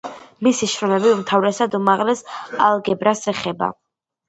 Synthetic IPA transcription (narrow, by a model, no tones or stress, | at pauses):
misiʃɾɔmɛbiumt̪ʰavɾɛsad̪umaʁlɛsalˠɡɛbɾasɛχɛba̰